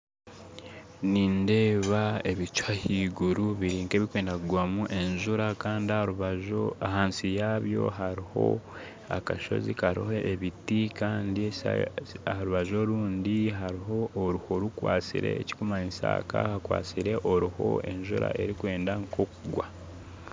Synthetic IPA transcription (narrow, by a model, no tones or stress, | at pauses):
niːnde̞ːβae̞βit͡ʃwahiɡuɾuβiɾiːŋke̞ːβikwe̞ːndakuɡwamuʔe̞ɲʒuɾakaːndiauβaʒoaɦaːnsijaβjo̞̰ɦaɾiho̞̰ | a̰kaʃo̞̰zḭkaɾihoʔeβitikaːndie | ahaɾuβaʒo̞ɾuːndiɦaɾiɦo̞ʔːɾuhoɾukwa̰ːt͡sḭɾe̞̰ːci̥kumaensa̰ːka̰hakwa̰ːsiɾe̞ʔoɾuho̞̰e̞ɲʒṵɾa̰ʔe̞ɾikwe̞ːndaŋkʰo̞kuɡwa